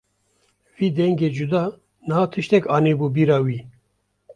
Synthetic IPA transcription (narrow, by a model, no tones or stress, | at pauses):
viːd̪ɛŋɡeːd͡ʒud̪ɑː | nɨhaːt̪ʰɨʃt̪ɛkɑːneːbuːbiːɾɑːwiː